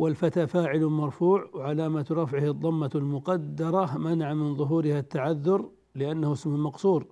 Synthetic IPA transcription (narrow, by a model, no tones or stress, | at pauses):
wɪlfat̪aːfaːʕɪlmɑɾˤfuːʕwʕalaːmat̪ɾˤɑfʕɪhɨðˤːɑmːalmʊqɑd̪ːɑɾˤɑmanaʕamɪnðˤʊɦuːɾɪhat̪ːaʕaðːʊɾ | lɪʔanːahɪsmʊlmɑqsˤuːɾ